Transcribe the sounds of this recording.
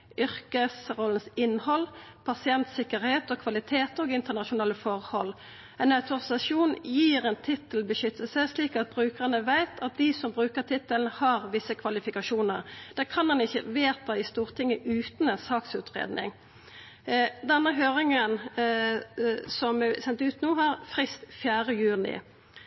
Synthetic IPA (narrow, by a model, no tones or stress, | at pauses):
ʔʏʁkəsʁɔlənsɪnːhɔlːpʰɑsɪɛnt̪sɪkːəɾheːt̪ɔkʰʋɑlɪt̪ʰeːt̪oːɡɪnt̪ənɑʃʊnɑːləfɔʁhɔlː | ɛnɑʉt̪ʊʁɪsɑʂuːnjiːʁɛnt̪ʰɪt̪əlbəʃʏt̪ːəlsəsliːkɑt̪̚bʁʉːkəʁənəʋæɪt̪ʰɑt̪̚d̪ɪsɔmbʁʉːkəʁt̪ʰɪt̪ːəln̩hɑʁʋɪsːəkʰʋɑlɪfɪkɑʃuːnəʁd̪̥æːkʰɑnmɑnɪçːəʋeːt̪ɑɪst̪uːʁt̪ʰɪŋːəʔʉːt̪nɛnsɑːksʉːt̪ʁḛːd̪nɪ̰ŋ | d̪ɛnːəɦøːʁɪŋən | sɔmɛsɛnt̪ʉːt̪nuːɦɑʁfʁɪst̪fjæːʁəjʉːnɪ̰